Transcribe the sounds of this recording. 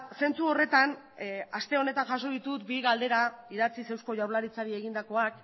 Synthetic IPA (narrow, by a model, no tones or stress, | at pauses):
se̞nt͡suo̞re̞t̪an | ast̪e̞o̞ne̞t̪anʝaso̞ðit̪ut̪biɣald̪e̞ɾaiɾat͡sise̞wsko̞ʝawɾlaɾit͡saɾie̞ɣind̪ako̞ak